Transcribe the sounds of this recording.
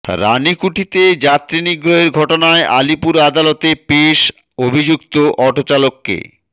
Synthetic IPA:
ɾa̰nikuʈʰit̪ed͡ʑat̪ːɾiniɡɾoɦeɾɡʱɔʈonaeʔa̰lipuɾad̪alot̪epeʃ | obʱid͡ʑukt̪oʔɔʈot͡ɕalokːḛ

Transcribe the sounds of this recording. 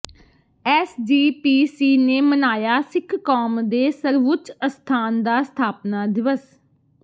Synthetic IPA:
ɛːsd͡ʒiːpiːsiːneːmənaːjaːsɪkʰkɔːmd̪eːsəɾʋʊtt͡ʃəst̪ʰaːnd̪aːst̪ʰaːpnaːd̪ɪʋəs

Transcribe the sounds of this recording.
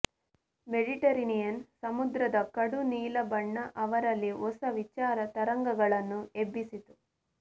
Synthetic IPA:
meɖiʈɐɾinijɐnsɐmud̪ɾɐd̪ɐkɐɽuniːlɐbɐɳːɐʔɐʋɐɾɐlːiɔsɐʋit͡ʃaːɾɐt̪ɐɾɐŋɡɐɡɐɭɐnːuebːisit̪u

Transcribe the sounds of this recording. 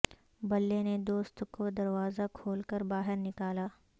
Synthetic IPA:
bɐlːened̪oːst̪kod̪ɐɾwaːzakʰoːlkəɾbaːɦɪɾnɪkaːlaː

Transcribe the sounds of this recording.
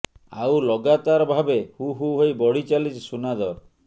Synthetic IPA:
a̰wlɔɡat̪aɾɔbʱabehuɦuɦojbɔɽit͡ʃalid͡ʒʰsunad̪ɔɾ

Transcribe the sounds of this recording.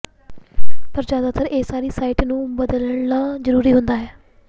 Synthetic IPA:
pəɾd͡ʒjaːd̪aːt̪ʰəɾeːsaːɾiːsaːiːʈnũːbəd̪ləɳnaːzəɾuːɾiːɦʊnd̪aːɦɛː

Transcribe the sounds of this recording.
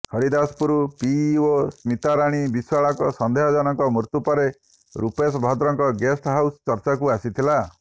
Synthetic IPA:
kʰɔɾid̪aspuɾupiosmit̪aɾaɽ̃ibiswaɭɔkɔsɔnd̪ʱeɦɔd͡ʒɔnɔŋkɔmuɾt̪upɔɾe | ɾupesɔbʱɔd̪ɾɔŋkɔɡesʈɦawsɔ̥t͡ʃɔɾt͡ʃakuasit̪ʰila

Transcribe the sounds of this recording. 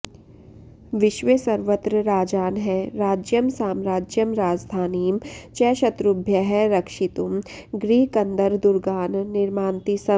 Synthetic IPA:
ʋɪʃʋesɐɾʋət̪ɾəɾaːd͡ʒaːnɦɛɾaːd͡ʒjəmsaːmɾaːd͡ʒjəmɾaːd͡ʒd̪ʱaːniːmt͡ʃɛːʃɐt̪ɾʊbʱjəɦɛɾɐkʃɪt̪umɡɾiːkɐ̃nd̪əɾd̪ʊɾɡaːnːɪɾmaːnt̪isɐ

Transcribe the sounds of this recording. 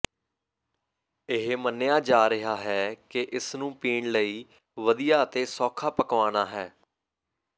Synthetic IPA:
ɪɦmənːejaːd͡ʒaːɾɪɦaːɦɛːkɪʔɪsnũːpiːɳləiː | ʋəd̪ijaːət̪eːsɔːkʰaːpəkʋaːnaːɦɛː

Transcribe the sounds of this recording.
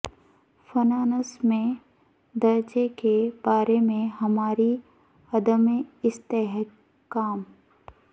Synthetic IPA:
fɐnaːnəsmẽ | d̪ɐɾd͡ʒekeb̥aːɾemẽɦɐmaːɾi | ɐd̪əmeɪst̪eɦ | kːaːm

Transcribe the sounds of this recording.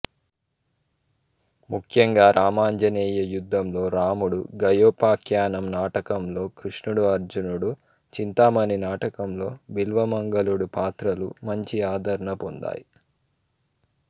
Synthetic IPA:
mukʰjɐŋɡaːɾʔaːmaːɲd͡ʒɐneːjɐjud̪ʱːɐmlo̞ːɾaːmuɽṵɡɐjoːpaːkjaːnɐmnaːʈɐkɐmlo̞ːkɾiʂɳuɽuɐɾd͡ʒunuɽu | t͡ʃint̪aːmɐninaːʈɐkɐmlo̞ːbilʋɐmɐŋɡɐluɽupaːt̪ɾɐlumɐɲt͡ʃiaːd̪ʱɐɾɐɳɐpond̪a̰ːji

